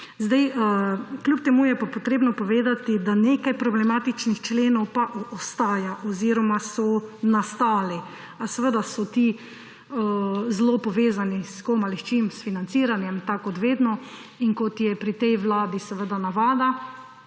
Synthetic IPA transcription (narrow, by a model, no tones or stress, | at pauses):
zd̪aj | klʲjupt̪ɛmuːjɛpapɔt̪ɾeːbnɔpɔʋeːd̪at̪id̪anekajpɾɔblɛmaːt̪it͡ʃnixt͡ʃleːnɔwpaʔɔst̪aːjaʔɔziɾɔmasɔnast̪aːli | asɛʋəd̪asɔt̪i | əzlopɔʋeːzaniskomalist͡ʃimsfinantsiːɾanjɛmt̪akɔd̪ʋeːd̪nɔ | inkɔt̪jɛpɾit̪ɛjʋlaːd̪isɛʋəd̪anaʋaːd̪a